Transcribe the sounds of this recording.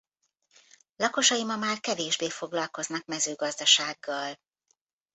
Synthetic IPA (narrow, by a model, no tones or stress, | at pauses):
lɒko̞ʃɒjimɒmaːrkɛveːʒbeːfo̞ɡlɒlko̞znɒk̚mɛzøːɡɒzd̪ɒʃaːɡːɒl